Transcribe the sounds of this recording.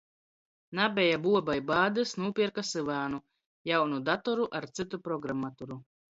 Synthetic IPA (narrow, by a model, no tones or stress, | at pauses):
nabʲɛjabuɔbajbaːd̪ɨsnuːpʲiɛkasɨvaːnu | jawnud̪at̪ɔɾuʔaɾt̪sɨt̪upɾɔɡɾamːat̪ɔɾu